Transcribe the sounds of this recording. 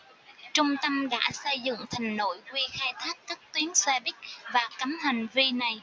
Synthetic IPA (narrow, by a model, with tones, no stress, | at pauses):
t͡ɕʊ˧ŋ͡mt̪ə˧mɗa̰ː˧˥sə˧jzɨ̰˧˨ŋt̪ʰa˨˩ŋ̟no̰˧˨jkwi˧xaː˧jt̪ʰaː˦˥k̚ːa˦˥k̚t̪wi˨˦ənse˧ɓï˦˥k̚vaː˨˩kə˨˦mha˨˩ŋ̟vi˧na˨˩j